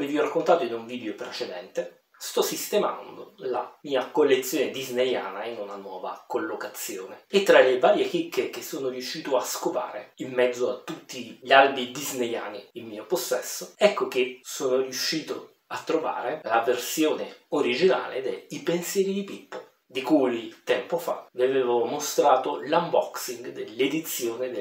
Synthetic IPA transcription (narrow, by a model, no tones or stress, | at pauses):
meviorakːont̪aːt̪oinuɱviːd̪eopɾet͡ʃed̪ɛnt̪e | st̪ɔsːist̪ema̰nd̪o̰la̰miːakolːet̪sːjoːned̪izneja̰ːnainunanwɔːva̰kolːokat̪sːjoːneet̪ːɾalevaːɾjek̟ikːek̟esːoːnorjuʃːiːt̪oaskopa̰ːɾeimːɛd̪zːoat̪ːut̪ːiʎialbid̪izneja̰ːniilmiːoposːɛsːoɛkːok̟esoːnorjuʃːiːt̪o | at̪ːɾova̰ːɾelaversjoːneoɾid͡ʒina̰ːlḛd̪ɛipensjɛːɾid̪ipipːo | d̪ikujt̪ɛmpofa̰viaveːvomost̪ɾaːt̪olambɔksiŋɡd̪elːed̪it̪sːjoːned̪e